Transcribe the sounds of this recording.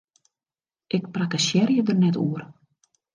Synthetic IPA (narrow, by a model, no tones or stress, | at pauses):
ʔɪk̚prakasjɛrjədərnɛtuər